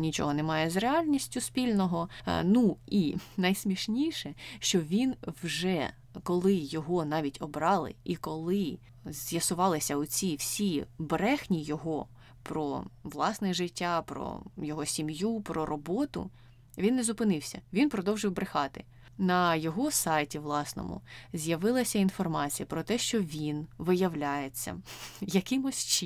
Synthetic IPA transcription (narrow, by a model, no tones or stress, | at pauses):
nʲit͡ʃɔ̰ɦɔnɛmɑjɛzreɑlʲnʲisʲtʲʊspʲilʲnɔɦɔnuinɐjsmʲiʃnʲiʃɛʃt͡ʃɔʋʲinwʒɛ | kɔlˠɪjɔɦɔnɑʋʲitʲɔbɾɑlˠɪ̰ʔikɔlˠɪ | zjɐsʊʋɑlˠɪsʲɐʊt͡sʲiwsʲibɾɛxnʲijɔɦɔ | pɾɔ̰ʋlˠɑsnɛʒɪtʲːapɾɔ̰jɔɦɔsʲimjupɾɔɾɔbɔt̪ʊ̰ | ʋʲinːezʊpɪnɪwsʲɐ̰ʋʲinpɾɔd̪ɔwʒɨwbɾɪxɑt̪ɪ̰ | nɐjɔɦɔsɑjtʲiʋlˠɑsnɔ̰mʊ̰zʲjɐʋɪlˠɐsʲɐinfɔrmɑt͡sʲijɐpɾɔt̪ɛʃt͡ʃɔʋʲinʋɪjɐwlʲajet͡sʲːɐ̰jɐkɪmʊsʲt͡ʃ